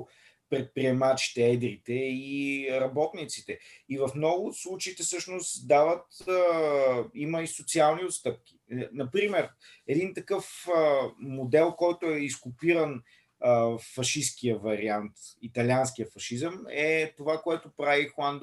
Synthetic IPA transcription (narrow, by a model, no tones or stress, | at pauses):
pɾɛt̪̚pɾiɛmat͡ʃi̥t̪ɛɛd̪ɾit̪ɛiɾɐbɔt̪nit̪sit̪ɛivɐfmnɔɡʊslˠut͡ʃeit̪ɛsɤʃnost̪d̪avət̪ə | iməisot̪sialˠniot̪st̪ɤp̚k̟ʲi̥nɐpɾimɛɾ | ɛd̪int̪ɐkɤfəmod̪ɛlˠkɔjt̪ʊɛiskʊpiɾən | fɐʃiskijəvɐɾiant̪it̪ɐlʲanskijəfɐʃizəmɛt̪ovakoɛt̪ʊpɾavixlˠand̪